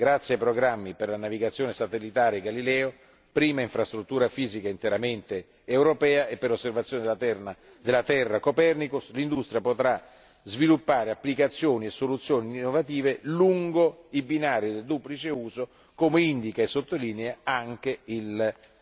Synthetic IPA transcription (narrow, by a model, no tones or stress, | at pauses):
ɡɾat̪sːjeajpɾoɡɾamːiperlanaviɡat̪sːjoːnesat̪elːit̪aːɾeɡalilɛːo | pɾiːmaiɱfɾast̪ɾut̪ːuːɾafiːzikaint̪eɾament̪eː | wɾopɛːaepːeɾosːervat̪sːjoːned̪lt̪ɛa | d̪elːat̪ɛrːakopɛrnikuslind̪ust̪ɾjapot̪ɾa | zvilupːaːɾeapːlikat̪sːjoːniesːolut̪sːjoːninːovat̪iːveluŋɡoibinaːɾid̪eld̪uːplit͡ʃeuːzo | koːmeind̪ikaesːot̪ːolineaaŋk̟eil